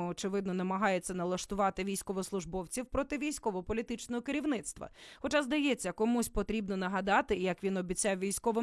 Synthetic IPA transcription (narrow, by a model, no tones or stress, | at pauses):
ɔt͡ʃɪʋɪd̪nɔnɐmɐɦɑjet͡sʲːɐnɐlˠɐʃt̪ʊʋɑt̪ɪʋʲijsʲkɔʋɔslˠʊʒbɔwt͡sʲiwpɾɔt̪ɪʋʲijsʲkɔʋɔpɔlʲit̪ɪt͡ʃnɔɦɔkɪɾʲiʋnɪt̪st̪ʋɐ̰xɔt͡ʃazd̪ɐjɛt͡sʲːɐkɔmusʲpɔt̪ɾʲibnɔnɐɦɐd̪ɑt̪ɪjɐkʋʲinɔbʲit͡sʲɑwʋʲijsʲkɔʋɪ